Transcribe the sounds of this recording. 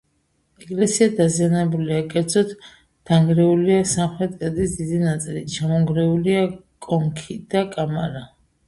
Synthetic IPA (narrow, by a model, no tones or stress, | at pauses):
ɛɡlɛsiad̪azianɛbuliakʼɛɾd̪zɔt̪ʰ | d̪̥aŋɡɾɛuliasamχɾɛt̪ʼkʼɛd̪isd̪id̪inat̪sʼilit͡ʃʰamɔŋɡɾɛuliakʼɔŋkʰid̪̥akʼamaɾa